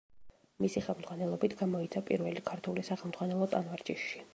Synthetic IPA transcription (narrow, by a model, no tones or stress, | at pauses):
misiχɛlˠmd̪z̥ʁwanɛlˠɔbit̪ʰɡ̥amɔit̪sʰapʼḭɾvɛlikʰaɾt̪ʰulisaχɛlˠmd̪z̥ʁwanɛlˠɔt̪ʼanvaɾt͡ʃʼiʃːi